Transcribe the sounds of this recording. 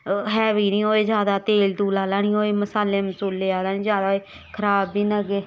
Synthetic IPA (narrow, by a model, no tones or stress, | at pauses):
ɦɛːʋiːnĩːɦoːeːzjaːd̪aːt̪eːld̪uːlaːlaːnĩːɦoːeːməsaːlːeːmsuːleːaːd̪aːnĩːzjaːd̪aːe | kʰəɾaːbiːnəɡeː